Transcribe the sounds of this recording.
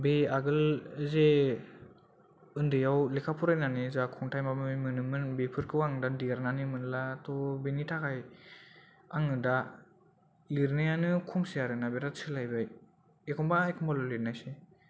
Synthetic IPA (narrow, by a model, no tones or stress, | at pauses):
beaɡɯlze | ɯndɯjawlekʰapʰuɾajnanizakʰɔŋtʰajmamɯmɯnɯmɯnbepʰɯɾkʰɯwaŋɯdadiaɾnanɯmɯnlatɔbenitʰakʰaj | aŋɯda | liɾnajanɯkʰumsijaɾɯnabeɾasʰɯlajbaj | ekʰɔmbaekʰɔmbalɔliɾnajse